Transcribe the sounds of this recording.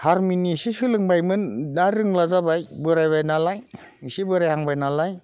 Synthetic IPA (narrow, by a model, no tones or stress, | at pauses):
haɾminisisɯlɯŋbajmɯnːaɾɯŋlazabajbɯɾajbajnalaj | isibɯɾajhaŋbajnalaj